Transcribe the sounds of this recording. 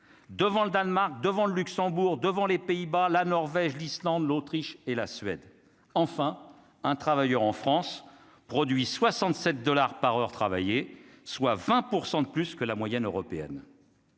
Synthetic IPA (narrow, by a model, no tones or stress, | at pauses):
d̪əvɑ̃ləd̪anmaʁk̚d̪əvɑ̃ləlyksɑ̃buʁd̪əvɑ̃lepeibalanɔʁvɛʒlislɑ̃d̪lot̪χiʃelasɥɛ̰d̪ | ɑ̃fɛ̃ | ɛ̃t̪χavajœʁɑ̃fχɑ̃s | pχɔd̪ɥiswasɑ̃t̪sɛt̪̚d̪ɔlaʁpaʁœʁt̪χava̰jeswavɛ̃puʁsɑ̃d̪əplyskəlamwajɛnøʁɔpeɛ̰n